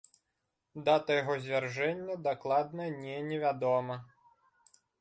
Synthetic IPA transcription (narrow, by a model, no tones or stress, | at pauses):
d̪at̪ɐjɔɦɔzʲʋʲerʒɛnʲːɐd̪ɐklˠɑd̪nɐnʲɛnʲeʋʲad̪ɔmɐ